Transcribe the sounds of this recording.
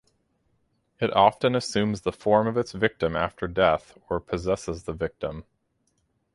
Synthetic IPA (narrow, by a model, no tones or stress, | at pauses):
ɨɾʔɑfɨ̃nɨsʉ̃mzðəfɔɹmʌvɨtsvɪk̚tɨ̃mæ̰ftʰə˞dɛθə˞pʰɨzɛsəzðəvɪk̚tə̃m